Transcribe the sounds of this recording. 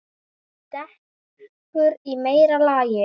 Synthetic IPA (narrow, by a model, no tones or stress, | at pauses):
t̪ɛh | kʏɾimeːjɾalaːjɪ